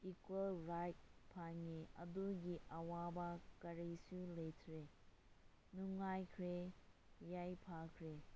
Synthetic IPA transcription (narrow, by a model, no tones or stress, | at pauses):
ikwelɾajt̚pʰaŋiɐ̰duɡiʔɐwabakɐɾisulejtʰɾe | nuŋajkʰɾe | jajpʰakʰɾe